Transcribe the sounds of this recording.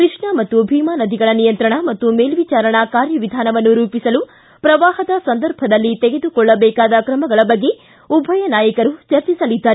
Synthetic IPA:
kɾɨʂɳɐmɐt̪ːubʱiːmaːnɐd̪ʱiɡɐɭɐnijɐnt̪ɾɐɳɐmɐt̪ːumeːlʋit͡ʃaːɾɐɳɐkaːɾjɐʋid̪ʱaːnɐʋɐnːuɾuːpisɐlu | pɾɐʋaːɦɐd̪ɐsɐnd̪ɐɾbʱɐd̪ɐlːit̪eɡe̞d̪ukɔɭːɐbɛːkaːd̪ɐkɾɐmɐɡɐɭɐbɐɡːe̞ | ubʱɐjɐnaːjɐkɐɾut͡ʃɐɾt͡ʃisɐlid̪ːaːɾe

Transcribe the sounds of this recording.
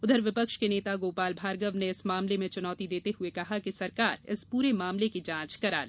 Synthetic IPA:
ʊd̪ʱəɾʋɪpəkʃkeneːt̪aɡoːpaːlbʱaːɾɡəʋneɪsmaːmlemẽt͡ʃʊnɔːt̪id̪eːt̪eɦuekɐɦakisɐɾkaːɾɪ̰spuːɾemaːmlekid͡ʒãːt͡ʃkɐɾa̰ːl

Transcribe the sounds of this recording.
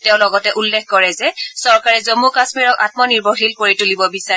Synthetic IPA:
teʊ̃lɔɡɔtɛʔulːekkɔɹɛzɛsɔɹkaɹɛzomːukasmiɹɔka̰t̚mɔniɹboxilpoɹitulibɔbisa

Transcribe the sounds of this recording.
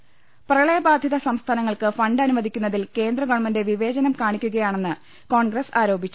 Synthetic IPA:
prɐɭɐjɐbaːd̪ʱjɐðɐsɐmst̪ʰaːnɐŋːɐɭkɨfɐɳɖɐnumɐd̪ʱikʲːunːɐðilke̞ːnd̪rɐɡoːɳɐmɐnde̞ʋiʋe̞ːd͡ʑɐnɐmkaːɳikʲːuɣɐjaːɳe̞nːɨ | ko̞ːɳɡrɐsaːɾo̞ːbʱit͡ɕːu

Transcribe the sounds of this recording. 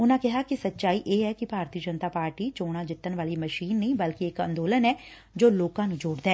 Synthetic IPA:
ʊnãːkɪɦaːkɪsətːʃaːiːʔeːɦɛːkɪbʱaːɾt̪iəd͡ʒənt̪aːpaːɾʈiːt͡ʃoːɽ̃ãːd͡ʒɪt̪ːənʋaːliːməʃiːnːəĩːbəlkɪɪkə̰̃nd̪oːlənɛː | d͡ʒoːloːkãːnũːd͡ʒoːɽd̪ɛː

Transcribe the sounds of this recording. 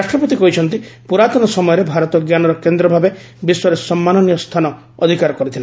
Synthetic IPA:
asʃʈɾɔpɔt̪ikɔɦit͡ʃʰɔnt̪ipuɾat̪ɔnɔsɔmɔjɔɾebʱaɾɔt̪ɔɡjanɔɾɔkend̪ɾɔbʱabe | biswɔɾesɔmːanɔnijɔst̪ʰanɔ | ɔ̰d̪ʱikaɾɔkɔɾit̪ʰile

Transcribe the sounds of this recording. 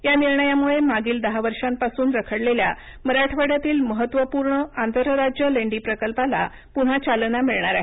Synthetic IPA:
janiɾɳəjamuɭemaɡiːld̪əɦaʋəɾʂãmpasuːnɾəkʰəɽlelja̰ | məɾaʈʰʋaɽjat̪iːlməɦət̪ːʋəpuɾɳəant̪əɾəɾad͡ʑjəleɳɖipɾəkəlpala̰ | puɽ̤at͡ɕalnamiɭɳ̃aɾaɦe

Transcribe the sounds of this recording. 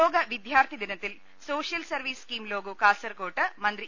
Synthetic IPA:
oːɡɐʋid̪ʱjaːɾt̪ʰid̪inɐt̪il | soːʃjɐlsɐɾʋiːskiːmloːɡukaːsɐɾkoːʈɐmɐnd̪ɾi

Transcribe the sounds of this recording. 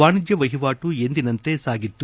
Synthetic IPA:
aːɳid͡ʒjɐʋɐɦiʋaːʈue̞nd̪inɐnt̪e̞saːɡit̪ːu

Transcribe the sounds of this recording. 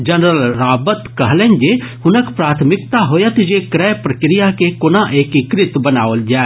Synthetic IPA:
d͡ʒɐnɾəlɾaːbət̪kɐɦlẽnd͡ʒehʊnəkpɾaːt̪ʰmɪk̚t̪aɦoːjət̪d͡ʒekɾɛːpɾɐkɾɪjakekʊnaʔeːkikɾɪt̪bɐnaːʋəld͡ʒaː

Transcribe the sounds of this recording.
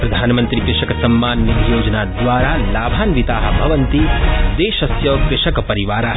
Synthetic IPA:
pɾɐd̪ʱaːnmə̃nt̪ɾikɾɪʃɐksɐmːaːnːit̪joːd͡ʒnad̪ʋaːɾalaːbʱaːnʋɪt̪aːɦbʱɐʋənt̪id̪eːʃɐsjɐʋkɾɪʃɐkpɐɾiʋaːɾa

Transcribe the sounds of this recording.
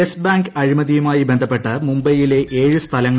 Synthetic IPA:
esbaːŋɡɐɻimɐðijumaːjibend̪ʱɐpːe̞ʈːɐmumbɐjile̞ʔe̞ːɻɨst̪ʰɐlɐŋːɐ

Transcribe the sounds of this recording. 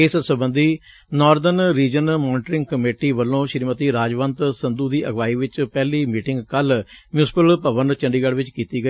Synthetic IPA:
ɪssəbənd̪iː | nɔːɾd̪ənɾiːd͡ʒənmɔːnɪʈɾɪ̃ŋɡkəmeːʈiːʋəlːõːʃɪɾmət̪iːɾaːd͡ʒʋənt̪sənd̪uːd̪iːʔəɡʋaːiːʋɪt͡ʃpɛːliːmiːʈɪŋɡkəlmjuːsɪ̥pəlpəʋənt͡ʃə̃ɳɖiːɡəɽʋɪt͡ʃkiːt̪iːɡə

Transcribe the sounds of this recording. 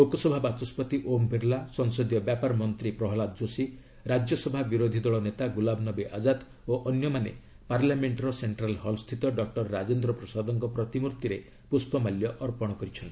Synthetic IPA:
lokɔsɔbʱabat͡ʃɔspɔt̪iʔombʱiɾlasɔŋsɔd̪jɔbjapaɾɔmɔnt̪ɾipɾɔɦɔlad̪d͡ʒosi | ɾad͡ʒjɔsɔbʱabiɾod̪ʱid̪ɔɭɔnet̪aɡulabʱnɔbeʔad͡ʒat̪ | oʔɔnjɔmanḛ | paɾlameɳʈaɾɔseɳʈɾalhɔlst̪ʰit̪ɔɖɔk̚ʈɔɾːad͡ʒend̪ɾɔpɾɔsad̪ɔŋkɔpɾɔt̪imuɾt̪iɾe | puspʰɔmaljɔʔɔɾpɔɽ̃ɔkɔɾit͡ʃʰɔn

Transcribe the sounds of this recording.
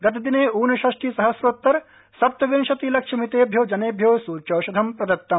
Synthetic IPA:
ɡɐt̪id̪ineːuːnɐʃɐʃʈiːsɐɦɐsɾoːt̪ːɐɾ | sɐp̚t̪ɐʋinʃɐt̪ilɐkʃʰɐmit̪eːbʱjɐwd͡ʒɐneːbʱjɐwsuːɾt͡ʃɐːʃɐd̪ʱɐmpɾɐd̪ɐt̪ːɐm

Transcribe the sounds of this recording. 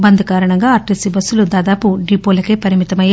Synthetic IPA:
bɐnd̪ʱɐkaːɾɐɳɐŋɡaːɐɾʈisibɐsːulud̪aːd̪aːpuɖiːpoːlɐkeːpɐɾimit̪ɐmɐjaː

